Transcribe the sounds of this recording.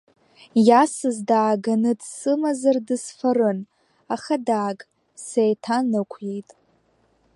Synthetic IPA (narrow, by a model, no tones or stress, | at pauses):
jasɨzdaːɡanɨdsɨmazardɨsfarɨn | aχadaːɡʼ | sejtʰanɨkʷʰje̞jtʼ